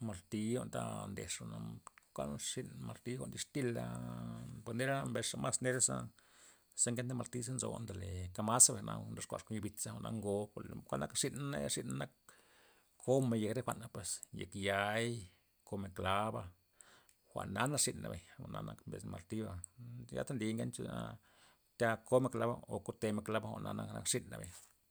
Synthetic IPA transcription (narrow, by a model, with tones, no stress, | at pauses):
ma˨lt̪i˧˦o˧nt̪a̰˧nd̪e˨ʂo˨na˧kʷa̰˦nʂi˧nma˨lt̪i˦xʷa̰˧nd̪i˧ʂt̪i˦la̰˧ | po˧ne˦ɾa˦mbe˧sa˧ma˦sne˦ɾa˦sa˦ | se˦ŋke˦nt̪a˦ma˧lt̪i˦s̬a˦nzo̰˨nd̪a˨le˨ka˧ma˦sa˧be˨na̰˧nɾa˦ʂkʷa̰˨ʂko˦ni˧bi˧t͡sa˦xo˧˨na˧ŋɡo˧ko˨lkʷa˦lna̰˦kʂi˦na˦na˦jaʂi˦ʔna˦na˦k̚ːʰ | o˦me˧je˨kɾe˦xʷa˨ʔnːa˧pwe˨sje˨kja˨˧j | ko˧me˧˨kla˦ba˧ | xʷa̰˨ʔna˦na˦ʂi˧nːa̰˨be˨ɲa˨na̰˧na˧kmbḛ˨sma̰˨lt̪i˦ba˧ja̰˦t̪a˦nd̪i˧ŋɡe˦nt͡ʃu˦na̰˧ | t̪ʲa˦ko˦me˧kla˦ba̰˦o˨ko˦t̪e˧me˧kla˦ba˦xʷa̰˨ʔna̰˧na˧na˦kʂi˦nːa̰˨be˨ɲ